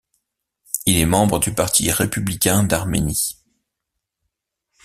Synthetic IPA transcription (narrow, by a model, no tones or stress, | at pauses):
ilɛmɑ̃bʁəd̪ypaʁt̪ʰiʁepyblikʲɛ̃d̪aʁmḛni